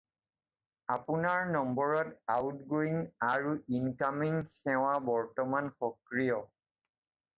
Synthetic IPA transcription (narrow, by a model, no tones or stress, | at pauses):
apunaɹnɔmbɔɹɔtawtɡoiŋaɹuinkamiŋxɛw̃abɔɹtɔmanxɔkɹijɔ